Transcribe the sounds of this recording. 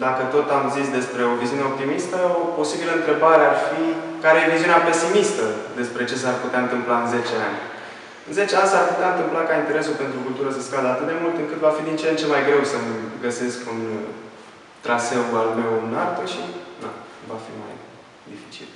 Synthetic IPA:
d̪akət̪o̞t̪amzisd̪e̞spɾe̞o̞viziuneo̞p̚t̪imist̪əopo̞sibiləɨnt̪ɾe̞baɾearfikaɾejeviziuneape̞simist̪əd̪e̞spɾe̞t͡ʃe̞s̬arput̪eaɨnt̪ɨmplaɨnze̞t͡ʃeanʲ | ɨnze̞t͡ʃeanʲsarput̪eaɨnt̪ɨmplakaint̪eɾe̞sulpe̞nt̪ɾukult̪uɾəsəskad̪əat̪ɨt̪majmult̪ɨŋkɨt̪vafid̪int͡ʃent͡ʃe̞majɡɾe̞wsəməɡəse̞skun | t̪ɾase̞balme̞wɨnart̪əʃina̰vafḭma̰j | d̪ifit͡ʃḭl

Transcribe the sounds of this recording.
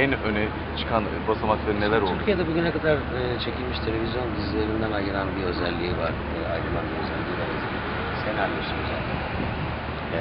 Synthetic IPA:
ænønɛ | t͡ʃʰɯ̥kʰan | basamat̪leɾnelʲæɾoyɾcʰijed̪ɛbuɟynɛkʰad̪aɾ | ɯːt͡ʃʰe̞cʰilʲmiʃt̪ʰe̞lʲe̞vʲizjo̞nd̪izilʲeɾind̪ænajɯlˠanbiø̞zælʲːiiva̰ɾ̥ː | a̰jɾɯlˠanbiøzælʲːiivaɾez | senalmɯʃt̪imøza̰ːt̪ʰæn

